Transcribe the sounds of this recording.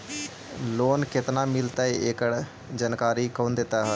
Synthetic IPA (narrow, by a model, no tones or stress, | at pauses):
loːnkɪt̪namɪlt̪aieːkəɽ | d͡ʒənkaːɾikoːnd̪eːt̪aɦɛː